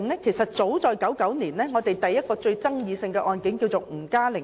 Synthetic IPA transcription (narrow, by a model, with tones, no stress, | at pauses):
ŋlɛː˥kʰe˨˩jsɐ˨t̚t͡so˨˥wt͡sɔː˨jkɐ˨˥wkɐ˨˥wniː˨˩nlɛː˥ŋɔː˨˧t̪e˨jt̪ɐ˨jːɐ˥t̚kɔː˧t͡sɵ˧ɥt͡sɐ˥ŋjiː˨˧sɪ˧ŋkɛ˧ʔɔː˧nkɪ˨˥ŋki˧wt͡so˨wm̩˨˩kaː˥lɪ˨˩